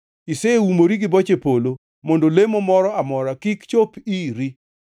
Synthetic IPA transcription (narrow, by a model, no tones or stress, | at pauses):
iseumoɾiɡɪbɔt͡ʃepolo | mondolemomɔɾɔamɔɾakikt͡ʃopiɾi